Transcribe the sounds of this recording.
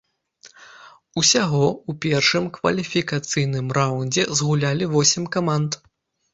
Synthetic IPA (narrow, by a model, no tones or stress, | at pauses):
usʲaɣɔupʲɛrʂɨmkvɐ̰lʲifʲikat̪sɨjnɨmrawnʲd͡zʲɛzɣulʲalʲivɔsʲɛmkamant̪